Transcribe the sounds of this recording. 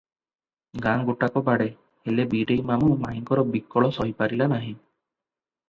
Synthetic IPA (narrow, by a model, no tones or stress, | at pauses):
ɡaŋɡoʈakɔbaɽe | elebiɖejmamumaiŋkɔɾɔbikːɔɭɔsɔɦipaɾilanaɦĩ